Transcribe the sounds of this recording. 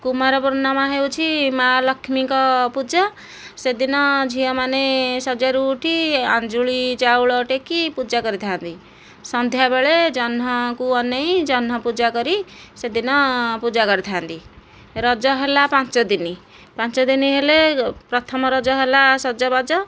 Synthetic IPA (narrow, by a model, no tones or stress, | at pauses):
kumaɾɔpuɾnamaɦewt͡ʃʰimalʌkʰːmikɔpud͡ʒa | sed̪inʌd͡ʒʱijʌmanesʌd͡ʒaɾuːʈʰiãnd͡ʒuɭit͡ʃawɭɔʈekːipud͡ʒaɡʌɾit̪ʰant̪i | sʌnd̪ʱjabeɭed͡ʒʌnɦʌkuʌnːʌj̃d͡ʒʌnɦʌpud͡ʒaɡʌɾised̪inʌpud͡ʒaɡʌɾit̪ʰant̪i | ɾʌd͡zʌɦelapat͡ʃʌd̪ini | pãnt͡ʃʌd̪iniɦelepɾʌt̪ʰʌmɔɾʌd͡zʌɦelasʌd͡ʒɔbad͡zʌ